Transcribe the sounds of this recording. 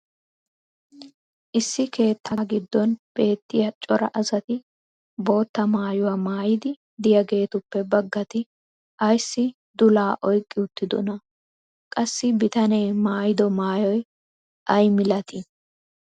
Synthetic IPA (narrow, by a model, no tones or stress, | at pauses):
ʔɪsːɪke̞ːt̪ːaɡɪd̪ːɔnb̥e̞ːt̪ːɪjɐt͡ʃʼɔɾɐ̰ʔɐsɐt̪ɪ | bo̞ːt̪ːɐmaːjʊwaːmaːjɪd̪ɪ | d̪ɪjɐɡe̞ːt̪ʊpːɛbɐɡːɐt̪ɪ | ʔɐjsːɪ | d̪ʊlaːʔɔjkʼːɪʊt̪ːɪd̪ɔ̰nɐ | kʼɐsːɪbɪt̪ɐne̞ːmaːjɪd̪ɔmaːjɔj | ʔɐjmɪlɐt̪ɪ